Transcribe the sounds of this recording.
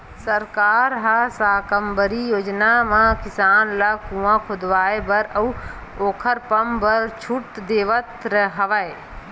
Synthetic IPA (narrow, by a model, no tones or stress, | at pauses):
səɾkaːɾɦasaːkəmbəɾijoːd͡ʒnamãkɪsaːnlakũãkʰʊd̪ʋaːebɐɾɐu | oːkʰəɾpɐmbəɾt͡ʃʰuʈd̪eːʋət̪ɾəɦɐʋae